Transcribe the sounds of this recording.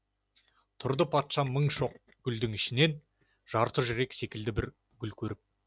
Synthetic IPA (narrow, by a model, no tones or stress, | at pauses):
t̪ʰʊɾd̪əpʰɑt̪ʃɑməɴʃo̞q̚ | ɡ̥ʲʏld̪ɪŋɪʃɪne̞n | ʒ̥ɑɾt̪əʒɪɾe̞kse̞kʲɪld̪ɪbɪɾ | ɡʲʏlkʲʰɵɾɪp̚